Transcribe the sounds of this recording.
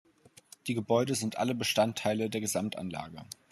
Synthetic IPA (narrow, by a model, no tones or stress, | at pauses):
d̥iːɡəbɔʏdəzɪntʔa̰ləbəʃtantʰːaɪlədeːɐɡəzamtʔa̰nla̰ːɡə